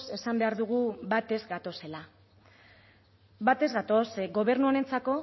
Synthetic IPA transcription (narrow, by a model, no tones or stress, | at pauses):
se̞sambe̞aɾðuɣ̞uβat̪e̞zɡat̪o̞se̞la | bat̪ezɣat̪o̞sɡo̞β̞e̞ɾnuone̞nt͡sako̞